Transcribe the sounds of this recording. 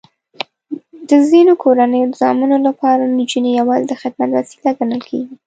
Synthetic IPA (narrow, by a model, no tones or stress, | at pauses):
d̪əzinokʰoɾanəjod̪əzɑmunolapɑɾanid͡ʒunejawɑzɪd̪əxɪd̪mat̪wasi̥laɡanəlkʰeɡi